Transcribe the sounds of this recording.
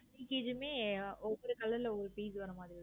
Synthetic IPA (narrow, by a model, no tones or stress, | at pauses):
niːkːeːd͡ʒɯmeːɔʋːɔɾɯkɐlːɐɪlɔʋɔɾɯpiːsʋɐɾɐmaːðɾi